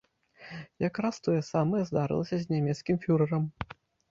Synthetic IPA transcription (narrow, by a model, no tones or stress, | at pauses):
jakɾast̪ɔjɛsamɐjɛzd̪aɾɨ̰lˠɐsʲɐzʲnʲamʲɛt̪skʲimfʲuɾɐɾɐm